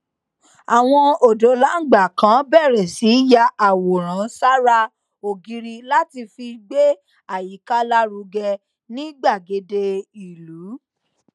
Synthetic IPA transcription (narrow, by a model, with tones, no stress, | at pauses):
a˨w̃ɔ̃˧o˨do˨˦la˨˦ŋ̩˦˨ɡ͡ba˨kã˨˦bɛ˦˨ɾɛ˨si˨˦ja˧a˨wo˨ɾ̃ã˨˦sa˦ɾa˦ | o˨ɡi˧ɾi˧la˦ti˧fi˧ɡ͡be˦ | a˦˨ji˨˦ka˦la˦ɾu˧ɡɛ˧ | nĩ˦ɡ͡ba˦˨ɡe˨˧de˧i˨lu˨˦